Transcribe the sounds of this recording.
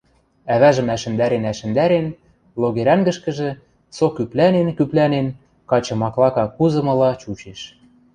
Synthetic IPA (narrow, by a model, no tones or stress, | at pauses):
æβæʒə̆mæʃɘ̆nd̪æɾenæʃɘ̆nd̪æɾen | loɣeɾæŋɡə̆ʃkɘ̆ʒĕ | sokyplænenkyplænen | kɑt͡ɕɤ̆mɑklɑkɑkuzɤ̆mɤ̆lɑt͡ɕut͡ɕeʃ